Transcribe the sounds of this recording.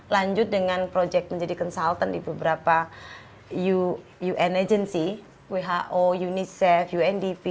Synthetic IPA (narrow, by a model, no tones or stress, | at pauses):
laɲd͡ʒʊt̪̚dəŋanpɾod͡ʒɛk̚t̪̚məɲd͡ʒadikɔnsalt̪andibəbəɾapa | ju | juʔɛned͡ʒənsi | weɦaʔojunisɛfjuɛndipi